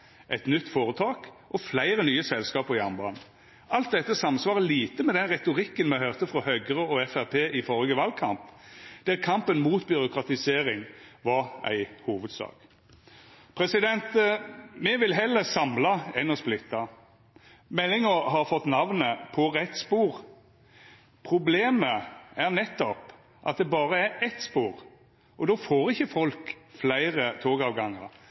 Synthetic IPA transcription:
ʔɛt̪nʏt̪ːfoːʁət̪ʰɑːk | ʔɔflæɪɾənyːəsɛlskɑːpɔɪɑmbɑn | ʔɑlt̪̚d̪ɛt̪ːəsɑmsʋɑːʁəliːt̪əmɛd̪ɛnʁɛt̪ʊʁɪkːənmɛhœʁt̪əfʁɔhœɡəʁəɔɛfæʁpʰeːʔɪfɔɾɡəʋɑlkʰɑmpd̪̥ɛʁkʰɑmpənmuːt̪bʏʁʊkʁɑt̪ɪseːʁɪŋʋɑʁæ̰ɪhuːʋəd̪sɑ̰ːk | pʰʁɛsɪd̪ɛnt̪mɛʋɪlɦɛlːəsɑmlɑɛnɔsplɪt̪ːɑ | mɛlːɪŋəɾɦɑɾfɔt̪ːnɑʋnəpʰɔɾɛt̪ːspuːɾ | pʰɾʊbleːməæʁnɛt̪ːɔp | ʔɑ̰t̪̚d̪ɛbɑːɾəæɾɛt̪spuːɾ | ʔɔd̪oːfoːɾɪçːəfɔlkflæɪɾət̪ʰoːɡɑːʋɡɑŋːə̰ɾ

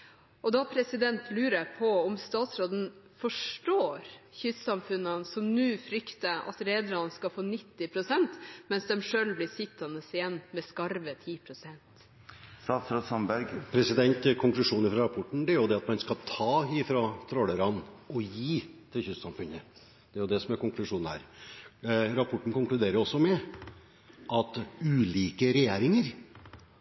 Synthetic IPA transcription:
ʔɔd̪ɑpʰɾɛsɪd̪ɛnt̪ʰlʉːɾəɾpʰɔɔmst̪ɑːt̪sɾoːd̪n̩fɔʂʈoːɾçʏssɑmfʉnːənsɔmnʉːfɾʏkt̪əʔɑ̰t̪ɾeːd̪ɾɑnskɑfoːnɪt̪ːɪpʰɾʊsɛnt̪mɛnsd̪ɛmʂøːlblɪsɪt̪ːɑnəsɪjɛnːmɛskɑɾʋət̪ʰiːpʰɾʊsɛnt̪ | st̪ɑːt̪sɾoːd̪sɑmbæɾɡpʰɾɛsɪd̪ɛnt̪kʰʊŋklʉʂuːnɪfɾɑɾɑpʰɔʈːɳ̩d̪ɛæɾjʊd̪ɛɑt̪mɑnskɑt̪ʰɑːɪfɾɑt̪ʰɾɔləɾɑnɔjiːt̪ʰɪlçʏssɑmfʉnə | d̪̥ɛæɾjʊd̪ɛsɔmæɾkʊŋklʉʂuːn̩hæ̰ːɾ | ɾɑpʰɔʈːɳ̩kʊŋklʉd̪eːɾəɾɔsːɔmɛ | ʔɑt̪ʉːliːkəɾɛjeːɾɪŋəɾ

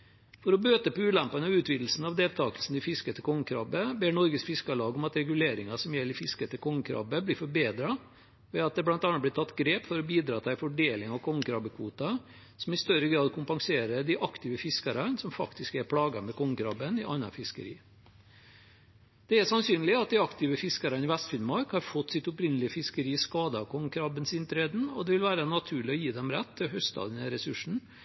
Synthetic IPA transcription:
fɔɾɔbøːt̪əpɔʉːlæmpɑnəɑʋʉːt̪ʋiːd̪l̩sn̩ɑʋd̪eːlt̪ʰɑːkəlsn̩ɪfɪskət̪ʰəkʰɔŋːəkʰɾɑːbəbeːɳɔɾɡəsfɪskɑlɑːɡɔmɑt̪ɾɛɡʉleːɾɪŋɑsɔmjɛlːɪfɪskət̪əkʰɔŋːəkʰɾɑ̰ːbəbliːfɔɾbeːd̪ɾɑ | ʋɛɑt̪̚d̪ɛblɑnt̪ɑnːɑt̪blɪt̪ɑt̪ːɡɾeːpfɔɾɔbiːd̪ɾɑːt̪ʰæɪfɔɖeːlɪŋɑʋkʰɔŋəkɾɑːbəkʰʋuːt̪ɑ | sɔmɪst̪œɾəɡɾɑːd̪kʰʊmpɑŋseːɾəd̪æʔɑkt̪ɪʋəfɪskɑɾɑnsɔmfɑ̰kt̪ɪskɛɾpʰɽɑːɡɑmɛkʰɔŋkɾɑbənɪʔɑnːɑ̰fɪskə̰ɾḭː | d̪̥ɛæsɑnsyːnlɪɑt̪̚d̪ɪɑkt̪ɪʋəfɪskɑɾɑnɪʋæst̪fɪlmɑɾkhɑɾfɔt̪ːsɪt̪ʊpɾɪnːəlɪəfɪskəɾiːskɑːd̪ɑkʰɔŋkɾɑbənsɪnt̪ʰɾeːd̪n̩ɔd̪ɛʋɪlʋæːɾənɑt̪ʰʉːɭɪɔjiːd̪ɛmɾɛt̪ːɪɦœst̪ɑ̰ːd̪nəɾɛsʉʂɳ̩

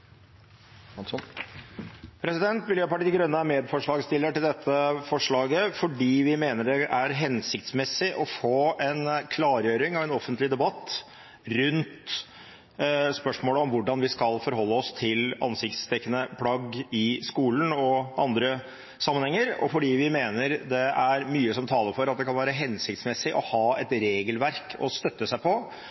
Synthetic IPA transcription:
pʰɾɛsɪd̪ɛnt̪mʏljøːpɑʈiːɡɾœnːəæmeːd̪fɔʂɭɑːɡst̪ɪlːəʈɪld̪ɛt̪ʰːəfɔʂɭɑːɡəfɔɖiːʋɪmeːnəɖɛʔæɾɦɛnsɪkt̪smɛsːɪʔɔfoːɛnkʰlɑːɾjøːɾɪŋɑʋɛnɔfənt̪lɪd̪ɛbɑt̪ː | ɾʉnt̪ | spœʂmoːləɔmʋʊɖɑnʋɪskɑlfɔɾɦɔlːəɔst̪ʰɪlɑ̰nsɪkt̪st̪ʰɛkːənəpʰɽɑɡɪskuːlənɔʔɑnd̪ɾə | sɑmːənhɛŋːəɾɔ̰fɔɖiːʋɪmeːnəɾd̪ɛæɾmyːəsɔmt̪ʰɑːləɾfɔɾɑt̪d̪ɛkʰɑnʋæːɾəɦɛnsɪkt̪smɛsːɪʔɔhɑːɛt̪ɾeːɡəlʋæɾkʰɔ̰st̪œt̪ːəsæɪpʰɔ

